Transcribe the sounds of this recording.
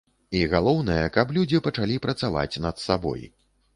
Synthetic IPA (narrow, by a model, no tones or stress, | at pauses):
iɣalˠɔwnɐjɛkɐplʲud͡zʲipɐt͡ʂalʲipɾɐt̪sava̰t͡sʲnɐt̪sabɔ̰j